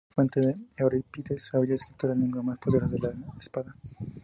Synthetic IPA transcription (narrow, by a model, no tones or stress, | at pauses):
fwent̪eðeeoɾapit̪esuaβiʎaeskɾip̚t̪oɾalneŋɡwamaspoðeɾaðelaespaða